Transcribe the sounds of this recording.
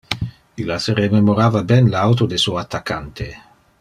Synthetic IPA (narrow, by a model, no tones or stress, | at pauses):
ilaseɾememoɾaːvabɛnlawt̪od̪esuat̪ːakːant̪e